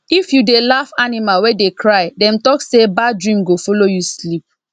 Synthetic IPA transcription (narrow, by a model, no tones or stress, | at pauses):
ifjudelafanimalwɛdekɹaɪdɛ̃mtɔksebadɹĩmɡofɔlojuslip̚